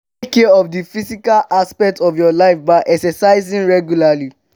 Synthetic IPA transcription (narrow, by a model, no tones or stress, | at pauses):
kːɛɔfdifisikalaspɛk̚tɔfjɔlaɪfbaɪʔɛksɛsaɪzĩnɹɛɡjulali